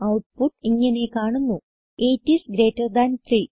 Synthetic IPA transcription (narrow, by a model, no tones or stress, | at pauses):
ɐwʈ̚puʈːiŋːɐne̞kaːɳunːu | eːtːisɡɾe̞ːtːɐrd̪ant̪ʰri